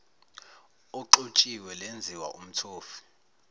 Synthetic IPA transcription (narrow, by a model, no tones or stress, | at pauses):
ɔǃot͡ʃʼiwɛlend͡zʱiwa̰ʔum̩tʰoːfi̥